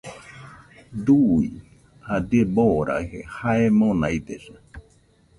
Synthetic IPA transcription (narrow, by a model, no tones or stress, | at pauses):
d̪ui | had̪eboɾa̰hehaemõnajd̪esa